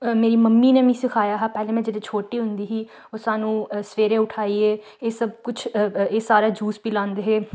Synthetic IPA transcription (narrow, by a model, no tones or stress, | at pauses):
meːɾiːməmːiːneːmĩːsɪkʰaːjaːɦaːpɛːlẽːmɛ̃ːd͡ʒeːɽeːt͡ʃʰoːʈiːɦʊ̃nd̪iːɦiː | oːsaːnũːsʋeːɾẽːʊʈʰaːiːeː | eːsəbkʊt͡ʃʰeːsaːɾaːd͡ʒuːsbiːlãːnd̪eɦeː